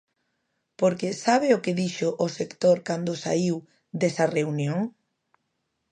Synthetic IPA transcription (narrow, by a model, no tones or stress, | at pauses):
poɾkesaβɪʊkeðiʃʊʔːsekt̪oɾkand̪ʊsa̰iw | d̪esɐreunjoŋ